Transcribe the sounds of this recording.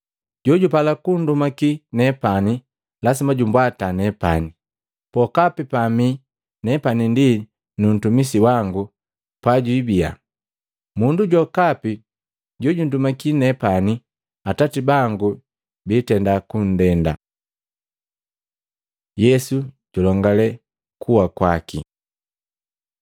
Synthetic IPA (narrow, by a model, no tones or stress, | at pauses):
ɟɔɟupalakun̩dumakinɛpani | lasimaɟumbwatanɛpa̰ni | pɔkapipami | nɛpanindi | nun̩tumis̬iwaŋɡu | pwaɟwibia̰ | munduɟwɔkapi | ɟɔɟundumakinɛpani | atatibaŋɡu | bitɛndakun̩dɛnda̰ | jɛsuɟ̥ɔlɔŋɡalɛ | kʰuwakwakḭ